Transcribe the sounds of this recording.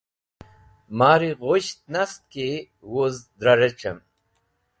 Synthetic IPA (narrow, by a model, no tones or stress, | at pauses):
maːɾiʁoɕt̪̚nɐst̪̚ke | wozd̪ɾɐɾet͡ɕɐm